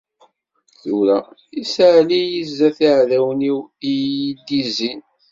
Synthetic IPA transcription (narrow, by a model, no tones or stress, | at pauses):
θʊɾæisəʕlijizːæθiʕðæwniwijid̪ːizin